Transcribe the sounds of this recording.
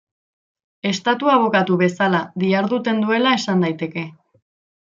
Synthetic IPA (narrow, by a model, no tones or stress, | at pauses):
e̞st̪at̪uaβ̞o̞kat̪uβe̞salaðiaɾðut̪e̞nd̪ue̞lae̞sand̪ajt̪e̞ke̞